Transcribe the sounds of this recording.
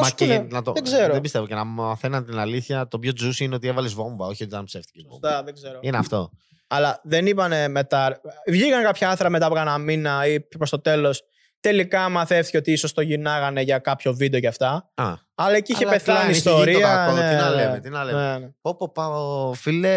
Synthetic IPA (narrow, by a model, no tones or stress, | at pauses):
mɐinɐt̪oðeɡzeɾoðebist̪evocenɐmɐθenɐnt̪inɐliθçɐt̪o̞pço̞d͡zusineo̞t̪ievɐlezvoɱvɐoçiot̪it̪ɐnpse̞ft̪icesost̪ɐðeɡzeɾoineɐft̪o̞ | ɐlɐðe̞nipɐne̞me̞t̪ɐɾvʝiɣɐŋkɐpçɐɐθɾɐme̞t̪ɐpokɐnɐminɐipɾost̪o̞t̪e̞lo̞s | t̪e̞likɐmɐθeft̪i̥ceot̪iiso̞st̪o̞ʝinɐɣɐne̞ʝɐkɐpço̞vid̪eoʝɐft̪ɐɐ | ɐlɐeciiçepeθlɐniso̞ɾiɐonet̪inɐlemet̪inɐlenmeopopɐofile